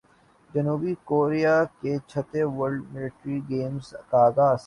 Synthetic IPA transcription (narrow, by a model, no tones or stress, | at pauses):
d͡ʒɐnuːbikoːɾijaket͡ʃʰət̪eʋɐɾɖmɪlɪʈɾiɡeːmzɐkaːɡaːs